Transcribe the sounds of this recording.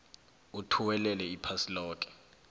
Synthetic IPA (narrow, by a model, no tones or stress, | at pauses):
utʰuwɛlɛlɛipʰasilɔːkʼɛ̥